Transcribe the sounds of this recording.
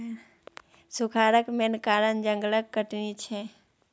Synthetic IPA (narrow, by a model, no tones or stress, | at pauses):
sʊkʰaːɾəkmenkaːɾənd͡ʒə̃ŋɡləkːəʈnit͡ʃʰɛ